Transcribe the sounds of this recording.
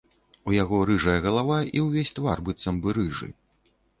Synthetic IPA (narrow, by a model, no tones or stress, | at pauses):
ujaɣɔɾɨʐɐjɐɣɐlˠavaiwvʲesʲt̪varbɨt̪sɐmbɨɾɨʐɨ̰